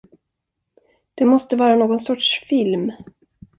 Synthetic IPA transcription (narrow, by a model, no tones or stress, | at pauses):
d̪̥ɛmɔst̪əvɑːɾanoːɡɔnsɔʈʂfɪlm